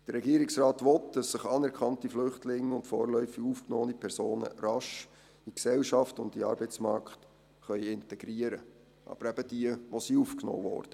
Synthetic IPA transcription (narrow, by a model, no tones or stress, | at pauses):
d̥ərɾːɛɡiəɾɪksrɑːtʋɔtd̥ɑsːɪχɑnɛɾkʰɑntiflʏχtʰlɪŋːʊntfɔ̰ːɾlœʏfɪufknɔːnipʰɛɾsoːnə̰ɾɑʃ | iksɛlʃɑftʊntiɑ̰ːɾbɛɪt͡smɑ̰ɾkχt | χœʏɪntɛɡ̥ɾiəɾə | ʔɑ̰b̥əɾæb̥əd̥iəʋosiuːfkno̰ːvɔ̰ːɾd̥ə